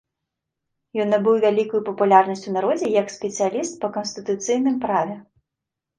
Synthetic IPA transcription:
jɔnːɐbɨwvʲalʲikujupɐpulʲarnɐsʲt͡sʲunaɾɔd͡zʲɛjɐksʲpʲɛt̪sɨjalʲist̪̚pɐkɐnst̪ɨt̪ut̪sɨjnɨmpɾavʲɛ

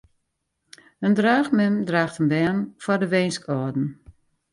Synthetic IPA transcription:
əndraːxmɛmdraːxtənbɛrnfɔrdəʋejnskɔdn̩

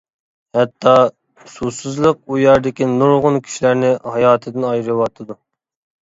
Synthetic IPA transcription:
hɛt̪ʰːɑ | susɨzlˠəq̚ujɛɾd̪ɪkʲinuɾʁʊnkʲʰy̥ʃlæɾnɪhɑjɑːt̪ʰɨd̪ɨnɑjɾɨwɑt̪ʰɨd̪u

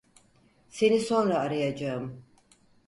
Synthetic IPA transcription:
se̞niso̞nɾaːɾajad͡ʒaɯm

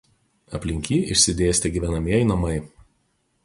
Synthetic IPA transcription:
ɐ̰pʲlʲɪŋʲkʲiːɪʃʲsʲɪd̪ʲeːsʲt̪ʲɛɡʲiːʋʲɛnɐmʲiɛjnɐmɐɪ

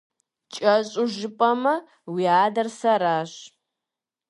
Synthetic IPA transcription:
t͡ʃʼɐɕʼʊʒɪpʼɐmɐ | wiaːdɐrsɐɾaːɕ

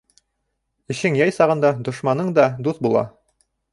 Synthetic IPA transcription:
ɘ̆ʃɘŋjɑjsɑʁɤ̆nd̪ɑd̪ŏʃmɑnɤɴd̪ɑd̪uθbulˠɑ̰

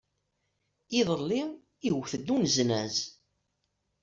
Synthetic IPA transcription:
iðˤəlːi | iwθəd̪ːunznæz

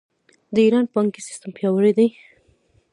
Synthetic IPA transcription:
d̪əiɾɑnpaŋkisɪ̥st̪əmpjɑwəɽed̪aj

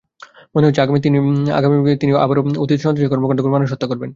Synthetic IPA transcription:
moneɦot̪ːt͡ɕʰeaɡamit̪inia̰ɡamiet̪inia̰baɾoot̪it̪ʃɔnd̪oekɔɾmokaɾd̪ʱokoɾmanuʃ̬ɦot̪ːakoɾben

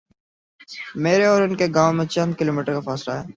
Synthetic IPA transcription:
meːɾeɔːɾʊnkeɡaːõmẽt͡ʃɐ̃nd̪̚kɪloːmiːʈəɾkafaːslaɦɛː

